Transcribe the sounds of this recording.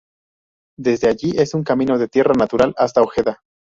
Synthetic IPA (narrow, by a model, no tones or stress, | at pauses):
d̪e̞zðe̞aʝiʔe̞suŋkamĩno̞ðe̞t̪je̞ranat̪uɾalast̪aoxe̞ða